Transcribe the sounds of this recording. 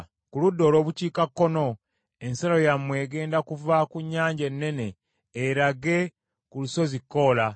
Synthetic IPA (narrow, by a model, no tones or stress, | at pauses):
kuludːo̞ːlo̞ːβuciːkakːo̞no̞ | e̞nsalojamːwe̞ːɡe̞ːndakuvakuɲːaːɲɟe̞nːe̞ne̞ː | ɾaɡe | kuluso̞zikːo̞ːla